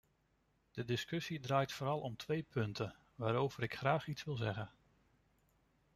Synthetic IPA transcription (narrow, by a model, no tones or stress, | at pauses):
d̥ədɪskɵsidraːjtfʊːɾɑlˠɔmtʋejpʰɵntə | ʋaːɾowvəɾɪkχraːχitsʋɪlˠzɛχən